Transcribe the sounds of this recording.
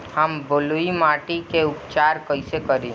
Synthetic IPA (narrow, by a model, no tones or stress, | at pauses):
həmboluimaːʈikeʊpt͡ʃaːɾkəɪsekəɾĩː